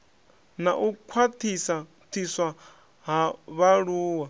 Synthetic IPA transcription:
naʔukʰwatʰisa | t̪ʰiswa | ɦaβaɺuːwa

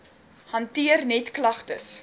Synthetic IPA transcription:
hɐntiərnɛtklɐχtəs

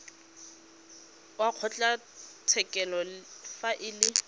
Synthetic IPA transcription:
waq͡χʰɔt͡ɬʼa | tʰɛkʼɛlɔfaʔɪlɪ

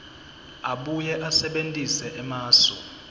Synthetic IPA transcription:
aɓujɛʔasɛɓentʼisɛʔɛmaːsɔ̰

